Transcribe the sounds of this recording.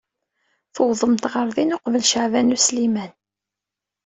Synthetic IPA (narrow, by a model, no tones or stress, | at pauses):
θəwðˤəmt̪ʁəɾˤðinoqvəlʃəʕvænuslimæn